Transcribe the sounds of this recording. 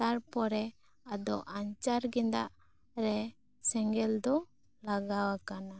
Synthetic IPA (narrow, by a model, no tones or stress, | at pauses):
t̪aɾpɔɾɛ | ad̪ɔʔaɲt͡ʃaɾɡɛnd̪a̰ʔ | ɾɛ | sɛŋɡɛld̪ɔ | laɡawakana